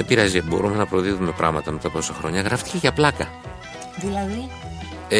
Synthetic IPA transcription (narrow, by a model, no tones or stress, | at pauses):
epiɾɐzibo̞̰ɾume̞nɐpɾoðiðume̞pɾɐ̰ɣmɐt̪ɐme̞t̪ɐposɐxɾo̞ɲɐɣɾɐft̪i̥ce̞ʝɐplɐkɐ | ðilɐði